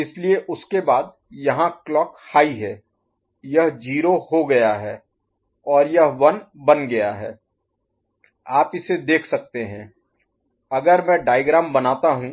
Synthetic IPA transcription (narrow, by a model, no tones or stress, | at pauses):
ɪslieʔʊskebaːd̪̚ | jɐɦãklɔːkhaːiɦɛː | jɐɦd͡ʒiːɾohoɡɐjaɦɛː | ɔːɾjɐɦʋɐnbɐnɡɐjaɦɛː | aːpɪsed̪eːkʰsɐk̚t̪eɦɛ̃ː | ɐɡəɾmɛ̃ːɖaːɪɡɾaːmbɐnaːt̪aɦũ